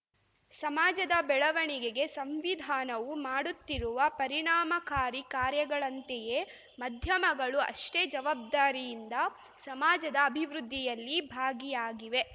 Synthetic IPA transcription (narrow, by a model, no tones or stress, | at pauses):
sɐmaːd͡ʒɐd̪ɐbɛɭɐʋɐɳiɡeɡe̞sɐmʋid̪ʱaːnɐʋumaːɽut̪ːiɾuʋɐpɐɾiɳaːmɐkaːɾikaːɾjɐɡɐɭɐnt̪eje | mɐd̪ʱjɐmɐɡɐɭuɐ̰ʂʈeːd͡ʒɐʋaːb̚d̪aːɾijind̪ɐ | sɐmaːd͡ʒɐd̪ɐːbʱiʋɾud̪ʱːijɐlːibʱaːɡijaːɡiʋe̞